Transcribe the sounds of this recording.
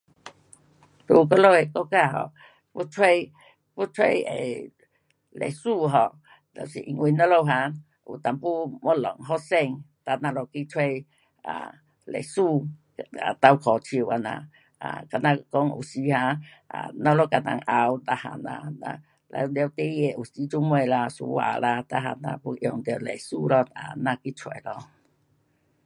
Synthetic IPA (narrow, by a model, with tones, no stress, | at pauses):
t̪u˧k̬ɔ˦lo˦˧e˨kɔ˦ka˦˧˨ɦɔ̰˧˨ | pu˦t͡sʰwe˧j | pu˦t͡sʰwe˧jḛ˨ | lḛ˨jsu˧ɦɔ˨ | t̪ɔ˨sḭ˨ʔi˧ŋwi˧˦nɔ̃˦lo˧wɦã˧˦ | u˨t̪a˨˩mpu˦mɔ˦lɔ˨˩ŋɦɔ˦sɛ˧ŋt̪a˧nã˧lɔ˧˩ki˦t͡sʰwe˧j | a̰˨ | lḛ˨jsu˧ | a˨t̪a˧wkʰɔ˨t͡ɕʰi˧˨wa˧˨nã̰˨ | a˨ka˧˨nã˧kɔ˧˦ŋṵ˨si˧˦hã˧˦a˨nɔ˧˦lo˦ka˧˨na̰˧˨ŋʔa˧wt̪a˧ha̰˧˨nã̰˧˨na̰˧ | la̰˧˨d̪e˧wt̪e˦je˧˨ʔu˨si˧˦t͡ʃu˦mwe˧˨la˧su˧˦wa̰˧˨la˧t̪a˧˨ɦa˧nã̰˧pu˧˦ʔjɔ˧˨ŋd̪e˧˨le˨su˧lɔ˧a˨nã˧ki˦t͡sʰwe˧˨lɔ˧